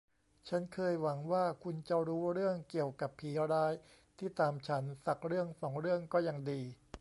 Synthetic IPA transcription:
t͡ɕʰa˦˥nkʰɤː˧jwa˩˦ŋwaː˥˩kʰu˧nt͡ɕa˨˩ɾuː˦˥ɾɯ˥˩əŋki˨˩əwka˨˩pʰːiː˩˦ɾaː˦˥j | t̪ʰiː˥˩t̪aː˧mt͡ɕʰa˦˥nsa˨˩k̚ɾɯ˥˩əŋsɔː˩˦ŋɾɯ˥˩əŋkɔː˥˩ja˧ŋdiː˧

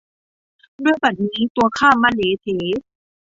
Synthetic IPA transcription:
du˥˩əjba˨˩t̪̚niː˦˥t̪u˧ɐ˧kʰaː˥˩mːaː˧˥˨leː˨˦t̪ʰeː˨˦

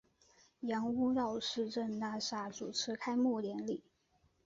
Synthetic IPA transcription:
jɑ˧˥ŋu˥ɻɑ˥˧ʊʂɻ̩˥˧ʈ͡ʂə˥˧nna˥˩ʂa˥˩t͡su˨˩ʈ͡ʂʰɻ̩˧˥kʰa˥ɪmu˥˩ljɛ˧˥nli˨˩˦

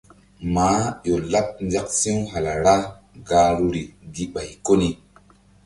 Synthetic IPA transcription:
maː˨˦jo˨la˦p̚nd͡ʒa˦k̚sĩ˦wɦa˨la˨ɾa˦ | ɡa˨˦ɾu˦ɾi˨ɡi˦ɓa˨jko˦ni˨

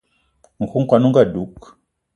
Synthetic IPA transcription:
ŋ̩˨ku˦ŋ̩˦kwa˨nu˦ŋɡa˦˨du˨˦k

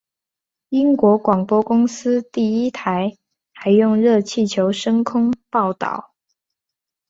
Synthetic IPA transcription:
i˥ŋkwɔ˧˥kwɑ˨˩ŋpwɔ˥kʊ˥ŋsɹ̩˥t̪i˥˩i˥t̪ʰa˧˥˦ɪ | xa˧˥ɪjʊ˥˧ŋɻɤ˥˧t͡ɕʰi˥˩t͡ɕʰjo˧˥ʊʂɤ˥ŋkʰʊ˥ŋpɑ˥˩ʊt̪ɑ̰˥˩˦ʊ

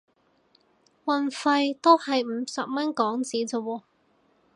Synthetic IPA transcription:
wɐ˨nfɐ˧jt̪o˥whɐ˨jm̩˨˧˥sɐ˨p̚mɐ˥nkɔː˨˥ŋt͡siː˨˥t͡so˨˧wɔː˨˧

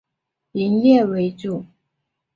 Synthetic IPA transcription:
i˧˥njɛ˥˨we˧˥ɪʈ͡ʂu˥˩

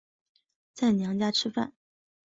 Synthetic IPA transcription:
t͡sa˥˩ɪnjɑ˧˥ŋt͡ɕja˥ʈ͡ʂʰɻ̩˥fa˥˩n

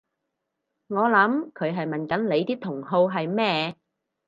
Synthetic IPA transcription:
ŋɔː˨˧lɐ˨˥mkʰɵ˨˧ɥɦɐ˨jmɐ˨nkɐ˨˥nle˨˧jt̪iː˥t̪ʰʊ˨˩ŋɦo˧wɦɐ˨jmɛː˥˩

